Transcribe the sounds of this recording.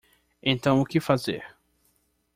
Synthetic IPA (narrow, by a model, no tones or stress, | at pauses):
ẽnt̪ɐ̃w̃ʊkɪfazḛɾ